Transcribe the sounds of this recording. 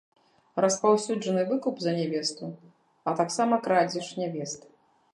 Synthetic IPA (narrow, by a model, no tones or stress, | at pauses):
ɾɐspawsʲud͡ʐɐnɨvɨkupzɐnʲɛvʲɛst̪u | ɐt̪aksamɐkɾad͡zʲiʂnʲɛvʲɛst̪